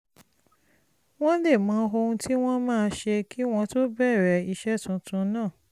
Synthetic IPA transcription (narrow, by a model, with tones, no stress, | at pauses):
w̃ɔ̃˦le˦˨mãː˨˦ɦo˧ũ˧tʰi˦w̃ɔ̃˦mãː˦˧ʃe˧ki˦w̃ɔ̃˦to˦bɛ˦˨ɾɛ˨i˧ʃɛ˦˨tũ˨˦tũ˧˦nãː˦˨